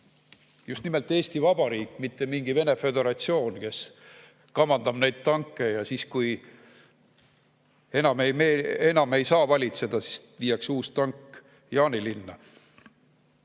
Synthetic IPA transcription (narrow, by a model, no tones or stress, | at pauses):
just̪nime̞lt̪ːˑe̞ːst̪ivɑb̥ɑɾiːkːˑmit̪ːe̞miŋɡ̥ive̞ne̞fe̞d̪e̞ɾɑt̪sio̞ːnke̞s | kɑmɑnd̪̥ɑb̥ne̞jd̪̥̚t̪ɑŋkːˑe̞jɑsiːskuj | e̞nɑmejmeenɑme̞jsɑːvɑlʲit̪sed̪̥ɑsi̥sviːjɑksuːst̪ɑŋkː | jɑːnilinːɑ